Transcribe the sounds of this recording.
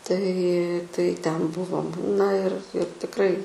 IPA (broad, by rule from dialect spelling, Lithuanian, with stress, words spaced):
tɐɪ tɐɪ ˈtʲɛn ˈbʊʋoːm nɐ ɪr ɪr tʲɪkˈrɐɪ